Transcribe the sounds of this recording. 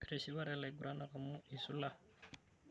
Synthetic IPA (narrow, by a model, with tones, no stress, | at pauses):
ɾe˨ʃiβa˦ɾe˨la˨ɡu˨ɾa˦na˨ka˨mu˦i˨su˦la˦